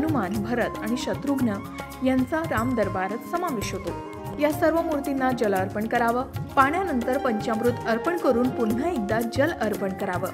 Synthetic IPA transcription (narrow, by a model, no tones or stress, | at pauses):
ənumanbʱəɾət̪aɽ̃iɕət̪ɾuɡnə | jant͡saɾamd̪əɾbaɾət̪səmaʋiɕjət̪o | jasəɾʋəmuɾt̪inːad͡ʑələɾpəɳkəɾaʋəpaɳ̃janənt̪əɾpəɲt͡ɕamɾut̪əɾpəɳkəɾuːnpun̤ːaik̚d̪ad͡ʑələɾpəɳkəɾaʋəː